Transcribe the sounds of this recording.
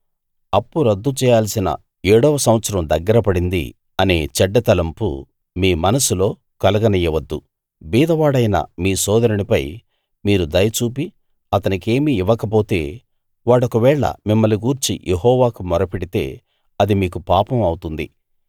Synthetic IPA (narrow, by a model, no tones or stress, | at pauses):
ɐpːuɾɐd̪ːut͡ʃɛːjaːlsinɐ̰ | eːɽɔːʋɐsɐm̃ʋɐt̪sɐɾɐmd̪ɐɡːɐɾɐpɐɽind̪ḭ | ɐne̞̰ːt͡ʃɛɖːɐt̪ɐlɐmpṵ | miːmɐnɐsulo̞ː | kɐlɐɡɐnijɐʋɐd̪ːu | biːd̪ɐʋaːɽɐjnɐ̰miːsɔːd̪ɐɾɐnipɐj | miːɾud̪ɐjɐt͡ʃuːpi | ɐt̪ɐnike̞ːmiːʋɐkɐpo̞ːt̪e̞̰ː | ʋaːɽɔkɐʋɛːɭɐ̰mimːɐliɡuːɾt͡ʃḭjʔeɦɔːʋaːkumɔɾɐpeɽit̪e̞ː | ɐd̪imiːkupaːpɐmɐwut̪und̪i